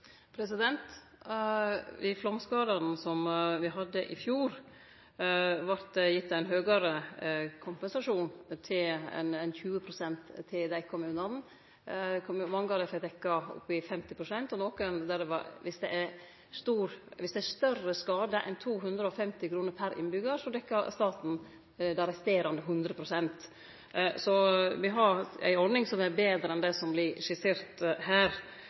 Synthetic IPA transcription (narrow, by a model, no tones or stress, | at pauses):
pʰɾɛsɪd̪ɛnt̪ | ɪflɔmskɑːd̪ɑn̩sɔmʋɪɦɑd̪ːəʔɪfjuːɾ | ʋɑɾt̪d̪ɛjɪt̪ːɑæɪnɦøːɡəɾəkʰʊmpɛnsɑʂuːnt̪ʰɪlɛ̰nɛnçʉːəpʰɾʊsɛnt̪ʰːɪld̪æɪkʰɔmʉnɑnn̩ | kʰmɑŋɡɑd̪əfɛd̪ɛkːɑʊ̰pːɪfɛmt̪ɪpʰɾʊsɛnt̪ɔnɔːknd̪æɖɛʋɑ̰ʋɪsd̪ɛʔæ | st̪uːɾʋɪsd̪ɛæst̪œrəskɑːd̪əʔɛ̰ɪnt̪ʰuːɦʉnd̪ɾəɔfɛmt̪ɪkʰɾuːnəɾpʰæɾɪ̰nbʏɡəɾʂɔd̪ɛkːɑst̪ɑːt̪n̩ | d̪ɛɾɛst̪eːɾɑnd̪əɦʉnd̪ɾəpʰɾʊsɛnt̪ | sɔʋɪɦɑɾæ̰ɪɔɾd̪ɪŋsɔmɛɾbeːd̪ɾəɛnd̪ɛsɔmblɪɾʂɪseːɾt̪ɦæːɾ